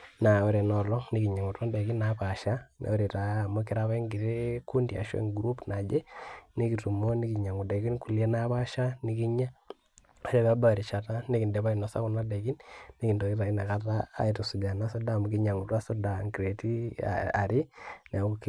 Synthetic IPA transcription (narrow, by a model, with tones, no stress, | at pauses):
na˨e˦ɾe˨nɔ˨lɔ˦ni˦ki˨ɲa˨ŋu˨twa˦nde˨ki˦na˨pa˨ʃa˦nḛ˨o˦ɾi˨taː˨mo˦ki˨ɾa˦βa˦ŋɡi˨ɾe˦ku˦ndia̰˨ʃḛ˦ŋɡɾu˦pna˨d͡ʒe˦ni˦ki˨tu˨mo˦ni˦ki˨ɲa˨ŋu˨de˨ɡi˦nku˨lje˦na˦pa˦ʃa˦ni˦ki˦ɲa˦ | e˦ɾe˦βa˦ba˦˨ɾi˨t͡ʃa˨ta˦ni˦ki˨ndɛ˨βa˦i˨nɔ˨sa̰˦ku˨na˦de˨ɡi˦nːi˦ki˨ndo˨i˦ɾa˨i˦na˨ka˦ta̰ː˦i˨to˨su˨d͡ʒa˨na˦sɔ˦da˦˨mu˦ki˦ɲa˨ŋu˨twa˦so˦da˨ŋɡɾe˨ti˦a̰a̰˨ɾi˦ne˨˦k